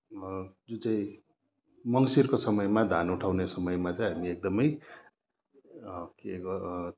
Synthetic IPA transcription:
d͡zut͡sai | mʌŋsirkosʌmʌjmad̪ʱanuʈʰawnesʌmʌjmat͡saj̃ɦamiek̚d̪ʌmʌj | keʌ

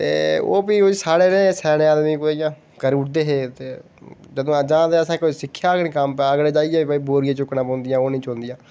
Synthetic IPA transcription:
t̪ḛːo̰ːbiːosaːɽeːnẽːsɛːɽẽːaːd̪miːkʊd̪jãː | kəɾʊʈd̪eːɦeːt̪eː | d͡ʒəd̪õːəd͡ʒãːd̪eːəsãːkoːisɪkʰːjaːkɽĩːkəmpɛəɡɽeːd͡ʒaːijaːbəiːboːɾijãːt͡ʃʊknãːpɔ̃ːnd̪ɪjãːoːnĩːt͡ʃõːnd̪ɪjãː

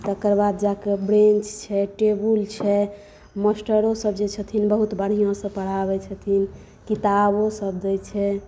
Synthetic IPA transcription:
t̪ɔkəɾbad̪d͡ʒakebɾent͡ʃt͡ʃʰɛʈebult͡ʃʰɛ | məsʈəɾosəbd͡ʒet͡ʃʰət̪ʰinbəɦut̪bəɽ̤ijõsəpəɽ̤aβɛt͡ʃʰət̪ʰin | kit̪abosəb̚d͡ʒɛjt͡ʃʰɛ

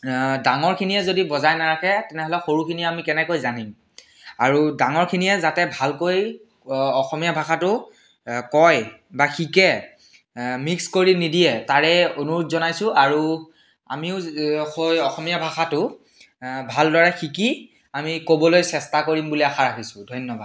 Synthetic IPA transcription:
daŋɔɹkʰiniɛzodibɔzajnaɹakɛtɛnɛɦɔlɛxoɹukʰiniɛamikɛnɛkojzanim | aɹudaŋɔɹkʰiniɛzatɛbʱalkoj | ɔxɔmijabʱaxatʊ | kɔjbaxikɛ | mikskoɹinidijɛtaɹɛonuɹʊtzɔnajsʊ̃aɹu | a̰miʊxojɔxɔmijabʱaxatʊ | bʱaldɔɹaxiki | amikobɔlojsɛstakoɹimbuliaxaɹaɦisʊdʱɔjnːɔbʱad

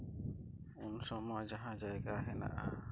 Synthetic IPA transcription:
unsɔmɔjd͡ʒaɦãd͡ʒajɡaɦɛna̰ʔa

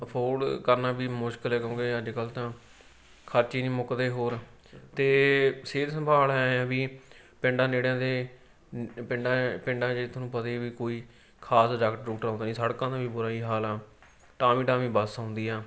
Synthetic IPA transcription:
pʰoːɖkəɾnaːbiːmʊʃkəlɛːkõːɡeːəd͡ʒkəlt̪ãː | kʰəɾt͡ʃiːnĩːmʊkd̪eːɦoːɾ | t̪eːseːd̪səmbʱaːlɛːãːbiː | pɪ̃ɳɖãːd͡ʒeːɽãːd̪eː | pɪɳɖapɪɳɖãːd͡ʒet̪ʰːnũːpət̪eːʋiːkoːiː | kʰaːsɖəkʈɾuːʈəɾãːnd̪aːnĩːsəɽkãːd̪aːbiːbʊɾaːiːɦaːlaː | ʈaːmiːʈaːmĩːbəsãːnd̪iːɛː

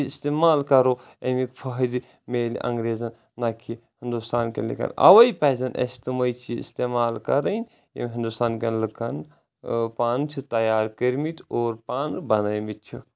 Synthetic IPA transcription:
ist̪eːmaːlkɐɾoː | emikpʰɐɦdi | meːlḭʔɐ̰̃ŋɡɾeːzɐn | naːkʰihind̪ust̪aːnkḛnlḭkɐ̰nɐ̰ʋɐjpɛːzɐnʔɐ̰st̪imɐjt͡ʃʰiḭst̪emaːlkɐ̰ɾɐjnʲ | jḛmʲɦind̪ust̪aːnkenlɨkɐn | paːnt͡ʃʰit̪ɐjaːɾkəɾmit̪oːɾpaːnbɐnɐjmit̪̚t͡ʃʰi

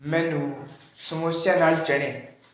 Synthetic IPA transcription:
mɛ̃ːnũːsəmoːsjãːnaːlt͡ʃəɽ̃ẽː

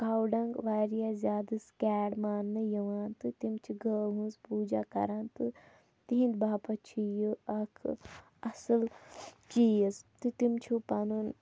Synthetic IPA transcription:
kaːwɖɐŋɡʋaːɾijazʲjaːd̪ɨskʲaːɽmaːnːɨjɐʋaːnt̪ɨt̪imt͡ʃʰiɡəːɦũnzpuːd͡ʒaːkɐ̰ɾãːnt̪ɨ | t̪iɦĩnd̪baːpɐt͡ʃʰijɨɐkʰ | ɐsɨlt͡ʃiːɐst̪ɨt̪imt͡ʃʰupanun

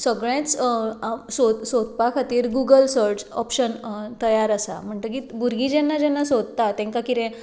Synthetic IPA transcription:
səɡɭẽt͡s | sosod̪pakʰat̪iːɾɡuɡəlsəɾd͡zɔpɕənt̪əjaɾəsa̰m̤əɳt̪ək̬ibuɾɡĩd͡ʑɛnːad͡ʑɛnːasod̪̚t̪at̪ɛ̃ŋkakiɾẽ

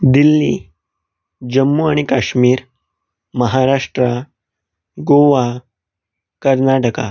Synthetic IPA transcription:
d̪ilːḭ | d͡ʑəmːuaɽ̃ikaɕmiːɾ | məɦaɾaʂʈɾa | ɡoʋa | kəɾnaʈəka̰

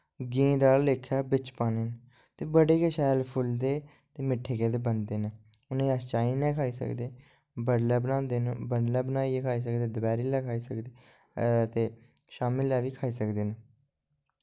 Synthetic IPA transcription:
ɡĩːd̪aːlleːkʰːɛːbɪt͡ʃpaːneːn | t̪eːbəɽeːkeːʃɛːlpʰʊld̪eː | t̪eːmɪʈʰːeːkeːd̪eːbənd̪eːneːʊnẽːəst͡ʃaːĩːnɛːkʰaːiːsə̰kd̪eː | bəɽlɛːbənãːnd̪eːnbəɽlɛːbənaːiːekʰaːiːs̬əkd̪eːd̪əbɛːɾiːlɛːkʰaːiːsəkd̪eː | t̪eː | ʃaːmɪlɛːʋiːkʰaːiːsəkd̪eːne

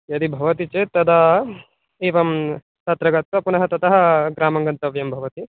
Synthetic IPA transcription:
jɐd̪ibʱɐʋɐt̪it͡ʃet̪ɐd̪ɐ | eːʋɐm | t̪ɐt̪ɾɐɡɐt̪ʋɐpunɐɦɐt̪ɐt̪ɐɦɐ̆ɡɾaːmɐŋɡɐnt̪ɐʋjɐmbʱɐʋɐt̪i

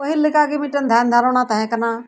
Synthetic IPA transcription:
əɦilɪkaːkimɪʈənd̪ʱaːnd̪ʱaːɾoːɽ̃ãːt̪ãɦɛ̃kɐnãː

